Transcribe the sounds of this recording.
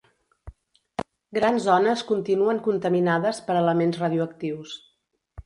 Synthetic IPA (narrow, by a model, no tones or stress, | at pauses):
ɡɾanzɔnəskunt̪inuəŋkunt̪əminaðəspəɾələmenzrəðiuək̚t̪iws